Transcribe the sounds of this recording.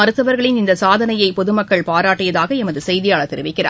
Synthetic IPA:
ɐɾɯt̪ːɐʋɐɾɣɐɭɪnɪnd̪ɐsaːðɐnɐjɐɪpɔðɯmɐkːɐɭpaːɾaːʈːɪjɐðaːɣɐɛmɐðɯsɛjðɪjaːɭɐt̪ːɛɾɪʋɪkːɪra̰ː

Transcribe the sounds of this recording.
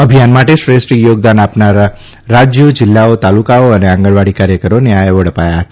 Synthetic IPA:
əbʱijanmaʈeʃɾesʈijoɡ̚d̪anapnaɾa | ɾad͡ʒjəd͡ʒɪlːaot̪alukaoəneãŋɡəɽʋaɽikaɾjəkəɾoneaeʋəɽ̤əpajaɦət̪a

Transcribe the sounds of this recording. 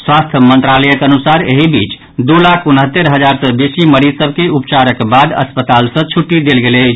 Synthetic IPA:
swast̪ʰmənt̪ɾaləjəkənusaɾeɦibit͡ʃ | d̪ulakʰunɦət̪ːeɾɦəd͡ʒaɾsəbesiməɾit̪səb̚ʱkeupt͡ʃaɾəkbad̪ə̰spət̪alsə̃t͡ʃʰuʈːid̪elɡele

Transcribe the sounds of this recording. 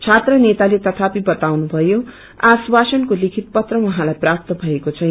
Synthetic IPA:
t͡sʰat̪rʌnet̪alet̪ʌt̪ʰapibʌt̪awnubʱʌjo | aswasʌnkolikʰit̪̚pʌt̪rʌwʌɦãlajprap̚t̪ʌbʱʌekot͡sʰʌ̃

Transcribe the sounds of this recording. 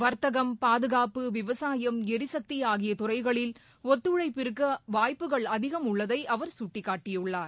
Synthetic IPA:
ʋɐɾt̪ɐɣɐmpaːðɯɣaːpɯʋɪʋɐsaːjɐmɛɾɪsɐk̚t̪ɪjaːɣɪjɐt̪ʊrɐɪɣɐɭɪl | ɔt̪ːɯɻɐɪpːɪɾɯkːɐʋaːjpːɯɣɐɭɐðɪɣɐmʊɭːɐðɐɪʔɐʋɐɾsʊʈːɪkːaːʈːɪjɯɭːaːɾ

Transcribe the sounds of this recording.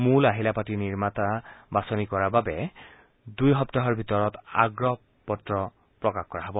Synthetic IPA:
mulaɦilapatiniɹmatabasɔnikɔɹababɛ | dujɦɔptaɦɔɹbʱitɔɹɔta̰ɡɹɔ | pɔtɹɔ | pɹɔkaxkɔɹaɦɔbɔ

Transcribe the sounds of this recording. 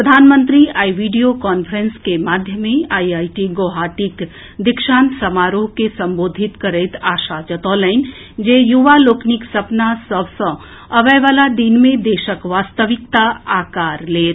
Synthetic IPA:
pɾəd̪ʱaːnmə̃nt̪ɾiaːiʋiːɖijokɔːnpʰɾə̃nskemaːd̪ʱjəmẽaːiaːiʈiɡoːɦaːʈik | d̪ɪkʃaːnsɐmaːɾoːɦkesɐ̃mboːd̪ʱɪt̪kəɾeːt̪aːʃaːd͡ʒət̪ɔːlaɪn | d͡ʒeːjuʋaloːknɪksɐpnasəbsə̃ | ɐʋɛjʋaːlad̪inmẽd̪eːʃəkʋaːst̪əʋɪkt̪aaːkaːɾleːt̪

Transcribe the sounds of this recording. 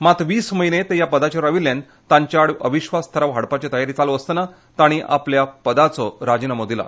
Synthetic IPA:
mat̪ʋiːsməɦinet̪ejapəd̪at͡ɕaɾaʋilːjãn | t̪ãɲt͡ɕjaɽəʋiɕʋast̪ʰəɾaʋɦaɽpat͡ɕat̪əjaɾit͡saloəst̪əna | t̪aɽ̃iʔa̰pljapəd̪at͡sɔɾad͡ʑinəmod̪ila̰

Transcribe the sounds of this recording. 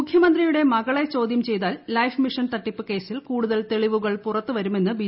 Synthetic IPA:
ukʰjɐmɐnd̪rijuɽe̞mɐɣɐɭe̞t͡ɕo̞ːd̪jɐmt͡ɕe̞jt̪aːlːɐjfmiʂɐnt̪ɐʈːipːɨke̞ːsilkuːɽuðɐlt̪e̞ɭiʋuɣɐɭpurɐt̪ːɨʋɐɾume̞nːɨbi

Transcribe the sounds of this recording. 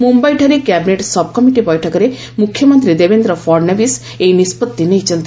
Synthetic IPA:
mumbajʈʰaɾikjabineʈsɔb̚ʱkɔmiʈibɔjʈʰɔkɔɾe | mukʰːjɔmɔnt̪ɾid̪ebend̪ɾɔpʰɔɾnabis | ejnispɔt̪ːinejt͡ʃʰɔnt̪i

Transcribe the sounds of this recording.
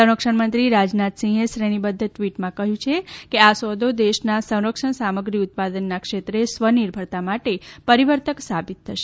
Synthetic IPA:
sə̃w̃ɾəkʂəɳmənt̪ɾiɾad͡ʒnat̪sĩeʃɾeɽ̃ibəd̪ʱːəʈʋiʈmãkəɦjũt͡ʃʰekeasod̪od̪eʃnasə̃w̃ɾəkʂəɳsaməɡɾiʊt̪̚pad̪ənːakʂet̪ɾesʋəniɾbʱəɾt̪amaʈepəɾiʋəɾt̪əksabit̪ʰːəʃe

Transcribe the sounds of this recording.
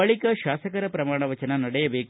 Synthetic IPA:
ɐɭikɐʃaːsɐkɐɾɐpɾɐmaːɳ̃ɐʋɐt͡ʃɐnɐnɐɽɛjɐbeːk

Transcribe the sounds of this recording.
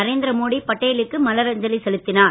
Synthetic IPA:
ɐɾeːnd̪ɪɾɐmoːɽipɐʈːɐjɪlɯkːɯmɐlɐɾɐɲd͡ʒɐlisɛlɯt̪ːɪnaː

